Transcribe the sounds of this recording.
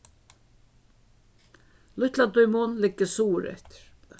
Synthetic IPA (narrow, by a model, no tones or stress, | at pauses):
lʊht̪lat̪ʊjmʊnlɪkːəsuːɾɛ̰ht̪ɾ̥